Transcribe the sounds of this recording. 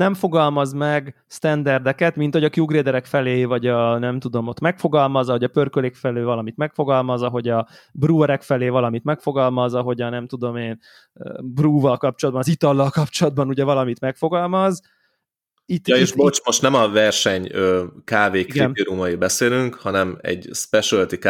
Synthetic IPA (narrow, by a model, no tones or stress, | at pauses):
nɛɱfo̞ɡɒlmɒzmɛɡ | st̪ɛnd̪ɛrd̪ɛkɛt̪mint̪ho̞ɟɒkjuːɡreːd̪ɛɾɛkfɛleːvɒɟɒnɛmt̪ud̪o̞mo̞t̪mɛkfo̞ɡɒlmɒzɒɦo̞ɟɒpørkølekfɛleːvɒlɒmit̪mɛkfo̞ɡɒlmɒzɒɦo̞ɟɒ | bruːɛɾɛkfɛleːvɒlɒmit̪mɛkfo̞ɡɒlmɒzɒɦo̞ɟɒnɛmt̪ud̪o̞meːn | bruːvɒlkɒpt͡ʃo̞lɒd̪bɒnɒzit̪ɒlːɒlkɒpt͡ʃo̞lɒd̪̚bɒnuɟɛvɒlɒmit̪mɛkfo̞ɡɒlmɒz | it̪ːeːʃbot͡ʃmo̞ʃt̪nɛmɒvɛrʃɛɲøːkaːveːkiɡiniɾumɒibɛseːlyŋkhɒnɛmɛ̰ɟspɛʃult̪ik